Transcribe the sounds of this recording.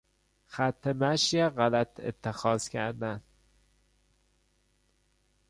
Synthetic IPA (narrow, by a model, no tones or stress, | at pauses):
xæt̪ʰːemæʃjeɢælæt̪ʰḛt̪ʰːexɒːz̥cʰæ̰ɾd̪æn